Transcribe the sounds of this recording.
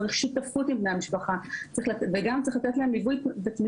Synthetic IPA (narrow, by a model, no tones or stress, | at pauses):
ʁiχʃit̪ːaffutimbne̞jamiʃpaχat͡sʁiχlveɡamt͡sʁiχlat̪e̞tlaemlivujvet̪mi